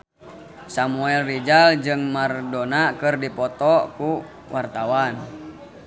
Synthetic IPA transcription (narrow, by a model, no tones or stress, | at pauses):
samuɛlrid͡ʒald͡ʒɨŋmardonakɨrdipɔt̪ɔku | wʔart̪awan